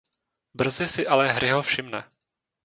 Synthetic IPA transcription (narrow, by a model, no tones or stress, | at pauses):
br̩zɪsɪʔalɛɦɾɪɦofʃɪmnɛ